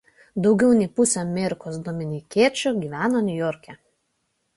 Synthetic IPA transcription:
d̪ɒʊɡʲɛʊnʲɪpʊsʲɛɐmʲɛːɾʲɪkoːs̬d̪omʲɪnʲɪkʲiɛt͡ʃʲʊɡʲiːʋʲæːnonʲʊjɔːɾʲkʲɛ

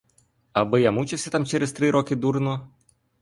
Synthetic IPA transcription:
ɐbɪjamut͡ʃɪwsʲɐt̪amt͡ʃɛɾɛst̪ɾɪɾɔkɪd̪uɾnɔ

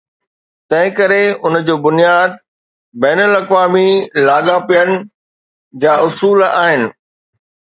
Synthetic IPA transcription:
t̪ɐ̃ɦɪ̃kɐɾeʊnəd͡ʑoːbʊnijaːd̪̚ | bɛːnəlɐkʋaːmilaːɠapijənɪ̆ | d͡ʑaːʔʊsuːla̰ːɦɪnɪ̆

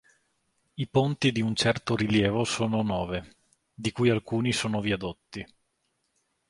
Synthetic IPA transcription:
ipont̪id̪iunt͡ʃɛrt̪oɾiljɛːvosoːnonɔːve | d̪ikujalkuːnisoːnoviad̪ot̪ːi

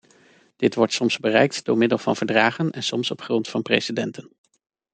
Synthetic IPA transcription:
d̥ɪtʋɔɹtsɔmzbərɛ̰jk̚td̥ʊːɹmɪdəlˠvɑ̰nvəɹdraːχənɛnsɔmsɔpχrɔntfɑnpresidɛntən

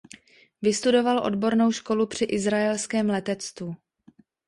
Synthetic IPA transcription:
vɪst̪udo̞valʔo̞̰dbo̞ɾno̞wʃko̞lupr̝̥ɪʔɪzɾajɛlskɛːmlɛt̪ɛt͡st̪vu

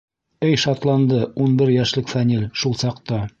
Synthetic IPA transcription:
ɘjʃɑt̪lˠɑnd̪ɤunbɘɾjæʃlɘkfænʲilʲʃulˠsɑqt̪ɑ

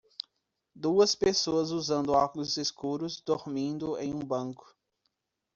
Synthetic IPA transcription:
d̪uɐspesoɐzuzɐ̃nd̪ʊaklʊzeskuɾʊzd̪oɾmĩnd̪ʊḛ̃j̃ũbɐ̃ŋkʊ̥

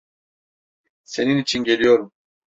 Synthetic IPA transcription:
se̞ninit͡ʃʰinɟe̞lʲijo̞ɾum

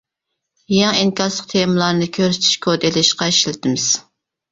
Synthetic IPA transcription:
jŋiŋkʲɑɾslˠəq̚t̪ʰemɨlˠɑɾnɨkʲʰøɾsɪ̥t̪ʰy̥ʃkʰod̪elɪʃqɑiʃlɪt̪ʰɪmɪz̥

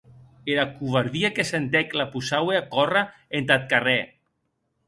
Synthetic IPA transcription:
eɾakuβaɾðiakesent̪eklapusaweakɔraent̪at̪̚kare

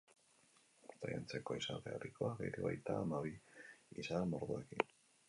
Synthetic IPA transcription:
uɾt̪aja̰nt͡se̞ko̞isat̪earikoaɣejɾiβajt̪aːmaβiisamoɾðuekin

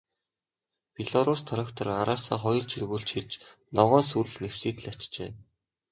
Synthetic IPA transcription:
piɮɔɾʊːst̪ʰɔɾăkt̪ʰɔ̆raɾaːsaːχɔjɞ̆ɮt͡ɕʰirɣuːɮt͡ɕxiɮt͡ɕnɔʁɔːnsuɾɘ̆ɮnew̥siːt̪ɘ̆ɮat͡ɕt͡ɕḛː

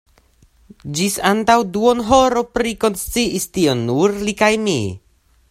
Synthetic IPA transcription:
d͡ʒisant̪awd̪uɔnɦɔɾɔpɾikɔnst͡siʔist̪iɔnːurlikajmi

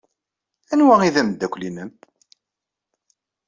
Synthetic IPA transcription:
ænwæiðæmd̪ːækʷlinəm

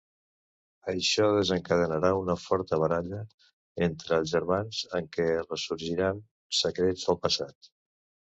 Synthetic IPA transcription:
əʃɔðəzəŋkəðənəɾaunəfɔɾt̪əβ̞əɾaʎə | ent̪ɾəːlˠzʒəɾmanz̥əŋkɛrəsuɾʒiɾan | səkɾed͡zðəlˠpəsat̪

